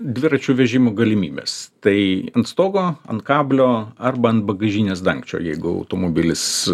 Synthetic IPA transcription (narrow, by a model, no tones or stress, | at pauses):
d̪ʲʋʲɪɾɐt͡ʃʲuːʋʲɛʒʲɪmʊːɡɐlʲɪmʲiːbʲḛːst̪ɐɪɐnt̪st̪oːɡoːɐ̰nt̪kɑːbʲlʲoːɐrbɐɐnt̪̚bɐɡɐʒʲiːnʲeːsd̪ɐŋkt͡ʃʲo̰ːjɛɪɡʊɐ̰ʊt̪oːmobʲɪlʲɪs